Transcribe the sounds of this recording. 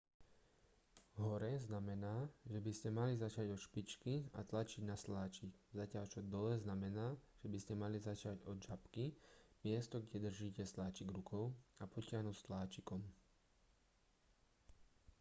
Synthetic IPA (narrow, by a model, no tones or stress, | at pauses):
ɦɔɾɛznamɛnaːʒɛbiscɛmalizat͡ʃaɟɔʃpit͡ʃkia̰t̪lat͡ʃiɟnaslaːt͡ʃiɡzacɪaʎt͡ʃɔd̪ɔlɛznamɛnaːʒ̥ɛbiscɛmalizat͡ʃaɟɔd͡ʒapkimɪɛst̪ɔɡɟɛd̪r̩ʒiːcɛslaːt͡ʃiɡɾukʰɔʊapɔcɪaɦnust̪laːt͡ʃikɔm